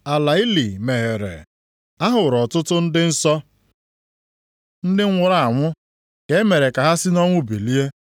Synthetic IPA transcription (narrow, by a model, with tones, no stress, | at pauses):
a˨la˨i˦li˨me˨ɦe˨ɾḛ˨ | a˦ɦʊ˨ɾɔ˨tʊ˦tʊ˦n̩˦dɪ˦n̩˦sɔ˦ | n̩˦dɪ˦ŋ̩ʷ˦ʊ˨ɾa˦˨a˨ŋʷʊ˦ | ɡ̥e˨˦me˨ɾe˨ka˨ɦa˦sɪ˦nɔ˦ŋʷʊ˦˨bi˨li˦e˦